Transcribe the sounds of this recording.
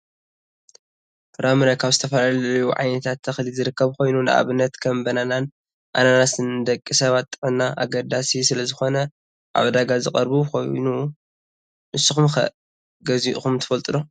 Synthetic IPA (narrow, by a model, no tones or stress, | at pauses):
fɨɾamɨɾakʰaβzɨt̪ʰɐfɐlalɐjuʕa̰jnɐt̪ʰat̪ʰːɐxlizɨɾɨkːɐβkʰo̞jnunɨʔa̰βɨnːɐt̪kʰɐmbɐnanan | ʔananasɨnɨd̪ɐkʼːisɐβat̪ʼːɨħɨnːaʔa̰ɡɐd̪asisɨlɐzɨxo̞nɐ | ʔa̰βd̪aɡazɨkʼɐɾbukʰo̞̰jnu | nɨsːɨxumxɐ̰ | ɡɐziʔxumt̪ʰɨ̥fɐlt̪ʼɨlo